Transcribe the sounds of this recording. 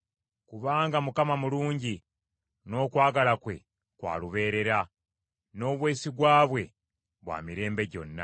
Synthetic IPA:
kuβaːŋɡamukamamuluːɲɟi | no̞ːkwaːɡalakwe̞̰ | kwa̰ːluβe̞ːɾe̞ɾa | no̞ːβwe̞ːsiɡwaːβwe̞ | βwa̰ːmiɾe̞ːmbe̞ɟo̞̰nːa̰

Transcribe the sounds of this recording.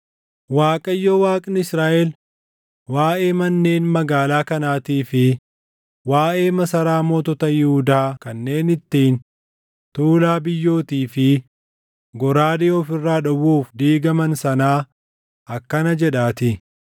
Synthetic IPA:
waːkʼɐjːoːwaːkʼnɪɪsɾaːʔɛl | waːʔeːmɐnːe̞ːnmɐɡaːlaːkɐnaːt̪iːfɪ | waːʔe̞ːmɐsɐɾaːmɔːt̪ɔt̪ɐjɪhʊd̪aːkɐnːe̞ːnɪt̪ːiːn | t̪uːlaːbɪjːo̞ːt̪iːfɪ | ɡɔɾaːd̪ɪɔfɪrːaːᶑɔwuːfd̪iːɡɐmɐnsɐnaː | ʔɐkːɐnɐd͡ʒɛᶑaːt̪ɪ

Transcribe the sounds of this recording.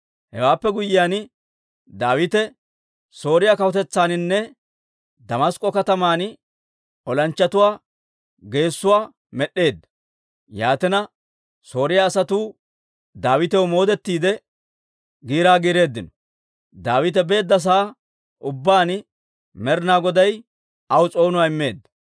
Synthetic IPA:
hɛ̰waːpːɛɡʊjːɪjaːn | d̪aːwɪt̪ɛ | so̞ːɾɪjakɐwɔt̪ɛt͡sːaːnɪnːɛ | d̪ɐmɐskʼːɔkɐt̪ɐmaːn | ɔlɐnt͡ʃːɐt̪ʊwaː | ɡe̞ːsːʊwaː | mɛɗːe̞ːd̪ːɐ̥ | jaːt̪ɪnɐ | so̞ːɾɪjaːsɐt̪uː | d̪aːwɪt̪ɛwʊmo̞ːd̪ɛt̪ːiːd̪ɛ | ɡiːɾaːɡiːɾe̞ːd̪ːɪnɔ | d̪aːwɪt̪ɛbe̞ːd̪ːɐs̬aː | ʔʊbːaːn | mɛɾnaːɡɔd̪ɐj | ɐwt͡sʼo̞ːnʊwaːɪmːe̞ːd̪ːɐ

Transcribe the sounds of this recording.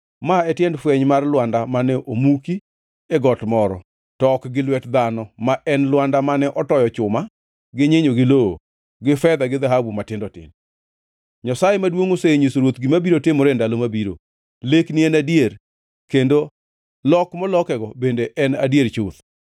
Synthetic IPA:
maɛtjɛndfwɛɲmarlwandamanɛʔomuki | eɡɔtmɔɾɔ̰ | tɔkɡɪlwɛtd̪anɔmaʔɛnlwandamanɛʔɔtɔjɔt͡ʃʊma | ɡɪɲeɲoɡɪloo̰ | ɡɪfɛd̪aɡɪd̪aɦabumatɪndɔtɪ̰n | ɲasajemadwoŋoseɲisoɾwot̪ɡɪmabiɾotɪmɔɾendalomabiɾo̰ | lekniɛnadier | kendo | lɔkmɔlɔkɛɡɔbendeʔɛnadjert͡ʃʊt̪

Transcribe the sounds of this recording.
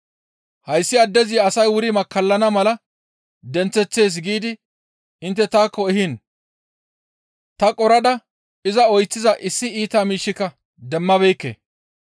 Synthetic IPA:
hɐjsːɪɐd̪ːɛzɪɐsɐjwʊɾɪmɐkːɐlːɐnɐmɐlɐ | d̪ɛnt͡sːɛt͡sːe̞ːs̬ɡiːd̪ɪ | ɪnt̪ːɛt̪aːkːɔɛɦɪn | t̪ɐkʼɔɾɐd̪ɐ | ɪzɐɔjt͡sːɪzɐʔɪsːɪiːt̪aːmiːʃːɪkːɐ | d̪ɛmːɐbɛjkːḛː

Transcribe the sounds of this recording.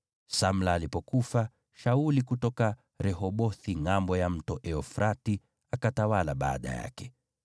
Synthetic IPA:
sam̩laːlipɔkufa | ʃaulikutɔka | ɾɛhɔɓɔθiŋambɔjam̩tɔʔɛɔfɾati | akatawalaɓa̰ːɗa̰ja̰kɛ

